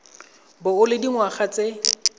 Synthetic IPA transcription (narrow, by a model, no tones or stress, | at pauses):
bʊʊlɪdiŋwaχat͡se